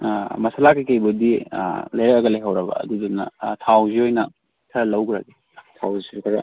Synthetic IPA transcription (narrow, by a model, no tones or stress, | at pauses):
mɐsalakikɐjbudḭlɐjɾɐk̚ɐɡɐlejɦɐwɾɐbɐ̰ːdudunːɐ̰tʰawziojnɐ | kʰɐɾɐlɐwɡɾaɡi | tʰawzisuɾkʰɐɾɐ